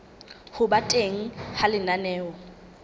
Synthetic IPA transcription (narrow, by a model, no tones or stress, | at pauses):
hʊbatʼeŋ̩halɪnanɛːɔ